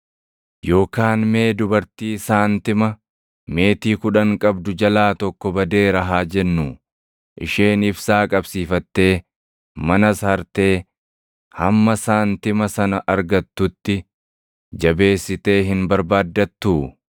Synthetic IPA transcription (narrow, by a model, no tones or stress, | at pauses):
jo̞ːkaːnme̞ːd̪ʊbɐɾt̪iːsaːnt̪ɪmɐ | me̞ːt̪iːkʊᶑɐŋkʼɐbd̪ʊd͡ʒɐlaːt̪ɔkːɔbɐd̪e̞ːɾɐɦaːd͡ʒɛnːuː | ʔɪ̰ʃeːnɪfsaːkʼɐbsiːfɐt̪ːe̞ː | mɐnɐshɐɾt̪e̞ː | hɐmːɐsaːnt̪ɪmɐsɐnɐʔɐɾɡɐt̪ːʊt̪ːɪ | d͡ʒɐbe̞ːsːɪt̪e̞ːɦɪnbɐɾbaːd̪ːɐt̪ːuː